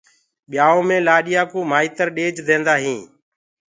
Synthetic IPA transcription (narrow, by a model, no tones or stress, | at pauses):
ɓɪjaːõːmẽːlaːɗɪjãːkoːmaːiːt̪əɾɗeːd͡ʒd̪ẽːnd̪aːɦĩː